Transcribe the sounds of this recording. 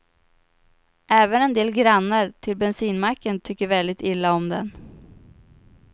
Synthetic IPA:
ʔɛːvənɛnd̪eːlɡɾanːəɾt̪ʰɪlbɛnsiːnmakːənt̪ʰʏkːəɾvɛld̪ɪt̪ɪlːaɔmd̪ɛ̰n

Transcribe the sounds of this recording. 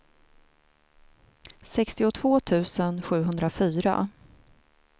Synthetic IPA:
sɛkst̪ɪʊt̪ʰv̥oːt̪ʰʉ̟ːsənɧʉ̟ːɦɵnd̪ɾafyːɾa̰

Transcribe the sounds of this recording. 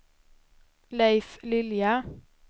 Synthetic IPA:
læɪflɪljɑ

